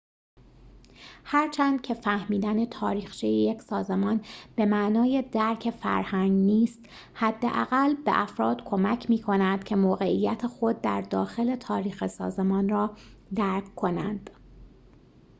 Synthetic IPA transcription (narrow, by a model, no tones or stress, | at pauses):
hæɾt͡ʃʰænd̪̥̚cʰe̞fæhmiːd̪æne̞t̪ʰɒːɾiːxt͡ʃʰijejecsɒːze̞mɒːnb̥e̞mæʔnɒːje̞d̪æɾcʰefæ̰ɾhæŋɡniːst̪ | hæd̪ːḛʔæ̰ɣælbe̞̰ʔæfɾɒːd̪̥kʰo̞mæcʰmiːkʰo̞nænd̪cʰe̞moːɣe̞ʔijːæt̪ʰexo̞d̪̚ːæɾd̪ɒːxe̞le̞t̪ʰɒːɾiːxesɒ̰ːze̞mɒːnrɒːd̪æɾkʰkʰːo̞nænd̪̥